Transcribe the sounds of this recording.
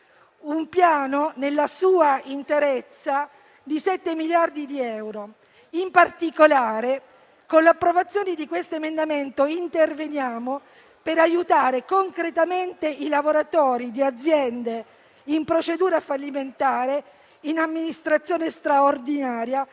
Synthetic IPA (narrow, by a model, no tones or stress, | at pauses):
umpjaːnonelːasuːaint̪eɾet̪sːa | d̪isɛt̪ːemiljard̪id̪iɛwɾo | impart̪ikolaːɾe | konleapːɾovat̪sːjoːned̪ikwest̪oemend̪ament̪oint̪ervenjaːmo | peɾajut̪aːɾekoŋkɾet̪ament̪eʔilavoɾat̪ɔːɾid̪iad̪zːjɛnd̪e | impɾot͡ʃed̪uːɾafalːiment̪aːɾe | inamːinist̪ɾat̪sːjoːnest̪ɾaord̪inaːɾja